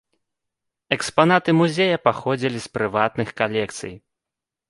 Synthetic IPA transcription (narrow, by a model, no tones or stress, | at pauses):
ɛkspanat̪ɨmuzʲejɐpaxɔd͡zʲilʲispɾɨvat̪nɨxkalʲɛkt̪sɨ̰j